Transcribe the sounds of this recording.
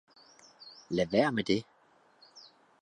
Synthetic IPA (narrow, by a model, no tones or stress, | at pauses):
læʋæɐ̰med̥e